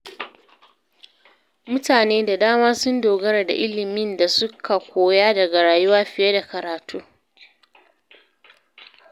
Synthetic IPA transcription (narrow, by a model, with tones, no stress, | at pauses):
mʊ˦taː˨neː˦da˨daː˦maː˦sʊ˦ndoː˨ɡɐ˦ɾa˨da̰˨ʔɪ˦lɪ˨mɪ˦nda˨sʊ˦kʰa˨kʷoː˨jaː˦dɐ˨ɡa˨ɽaː˨jʊ˦waː˦ɸɪ˨je˦da˨kɐ˨ɾaː˨tʰuː˦